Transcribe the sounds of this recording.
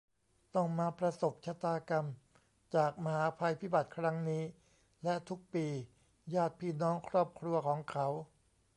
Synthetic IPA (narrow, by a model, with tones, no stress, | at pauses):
t̪ɔ˥˩ŋmaː˧pɾa˧so˨˩p̚t͡ɕʰa˧˥t̪aː˧ka˧m | t͡ɕaː˨˩k̚ma˧ɦaː˩˨˦pʰa˧jpʰi˦˥˩ba˨˩t̪̚kʰɾa˦˥ŋniː˦˥ | lɛ˦˥ʔt̪ʰu˦˥k̚piː˧ | jaː˥˩t̪̚pʰiː˥˩nɔː˦˥ŋkʰɾɔː˥˩p̚kʰɾu˧ɐkʰɔː˩˦ŋkʰa˦˥w